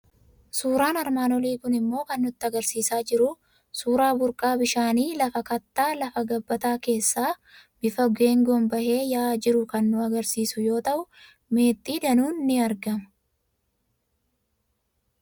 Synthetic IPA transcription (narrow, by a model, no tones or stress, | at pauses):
suːɾaːnɐɾmaːnɔliːkʊnɪmːo̞ːkɐnːʊt̪ːɪɐɡɐɾsiːsaːd͡ʒɪɾʊ | suːɾaːbʊɾkʼaːbɪʃaːniːlɐfɐkɐt̪ːaːlɐfɐɡɐbːɐt̪aːke̞ːsːaː | b̥ɪfɐɡeːŋɡɔmbɐhe̞ːjaːd͡ʒɪɾʊkɐnːʊɐɡɐɾsiːsʊjo̞ːt̪ɐʔʊ | me̞ːt̪ʼːiːd̪ɐnuːnːɪɐɾɡɐmɐ̥